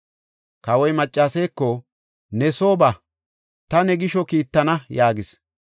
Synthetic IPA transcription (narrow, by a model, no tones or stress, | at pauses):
kɐwɔjmɐt͡ʃʼːaːsɛjkːɔ | nɛsoːbɐ | t̪ɐnɛɡɪʃɔkiːt̪ːɐnɐjaːɡɪs